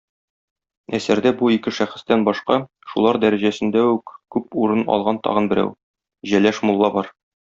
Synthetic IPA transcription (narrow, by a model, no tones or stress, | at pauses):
æsæɾd̪æbuikɘʃæχɘ̆st̪ænbɒʃqɑ | ʃṵlˠɑɾd̪æɾæʑæsɘ̆nd̪æʉkkʉpuɾɤnɒ̰lˠʁɑnt̪ɒ̰ʁɤ̆nbɘ̆ɾæ̰w | ʑælæʃmulˠːɑbɒɾ